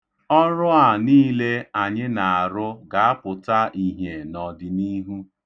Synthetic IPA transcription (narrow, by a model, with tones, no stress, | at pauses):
ɔ˦ɾʊ˦a˨niː˦le˦a˨ɲɪ˦na˨a˨ɾʊ˦ɡa˨a˦pʊ˨ta˦ʔi˨ɦe˨nɔ˨dɪ˨ni˦ɦu˦